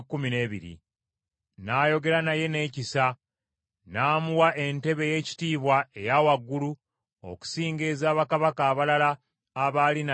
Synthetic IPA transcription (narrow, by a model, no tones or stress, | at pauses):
kːumine̞ːβiɾḭ | naːjo̞ɡe̞ɾanaje̞ne̞ːcisa | naːmuwaʔe̞nte̞βe̞je̞ːci̥tiːβwae̞jawaɡːulu | o̰ku̥siːŋɡe̞ːzaːβakaβakaːβalalaː | βaːlina